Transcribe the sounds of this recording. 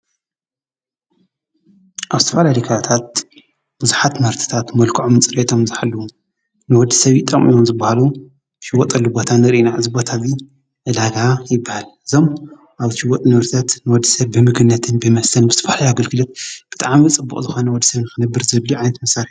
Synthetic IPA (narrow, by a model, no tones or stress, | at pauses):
ʔaβzɨt̪ʰɐfalalikʰaat̪ʰat̪̚ | b̥ɨzuħat̪mɐɾt̪ʰi̥t̪ʰat̪mɐlkʰɨʕomt͡sʼɨɾʔet̪ʰo̞mzɨħalːɐwu | nɨwɔd̪ːisɐβit̪ʼɐmʔḭjomzɨbːahalu | ʃɪwːɔt̪ʼɐlːubot̪ʰanɨɾiʔinaʔɨzɨbot̪ʰazi | ʕɨd̪aɡajɪbːahalʔɨzo̞m | ʔaβʃɪwːɔt̪ʼnɨβɾt̪ʰat̪nɨwɔd̪ːisɐβːɨmɨɡɨnːɐt̪ʰɨnbɨmɐst̪ʰɐnbɨzɨt̪ʰɐfalajaɡɐlɡʰɨlɐt̪̚b̥ɨt̪ʼaʕmit͡sʼɨbːṵχʼzɨxo̞nɐwɔd̪ːisɐβnɨxɨnɐbːɨɾzɨβluʕajnɐt̪mɐsaɾu